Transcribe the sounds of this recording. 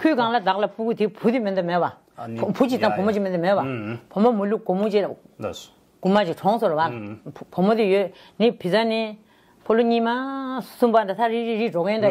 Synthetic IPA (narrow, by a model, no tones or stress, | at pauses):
kʰyːkaŋlat̪aʔlapukit̪ipʰut̪imed̪omepa | pʰut͡ɕiapʰomot͡ɕimed̪mepapʰomomuluʔkomut͡ɕi | kumat͡ɕiʈ͡ʂʰɔŋsoɾealpʰomot̪ijøʔ | nipʰit͡sani | pʰoloɲiːmasumband̪at̪ʰaɹiiɹiʈ͡ʂokend̪a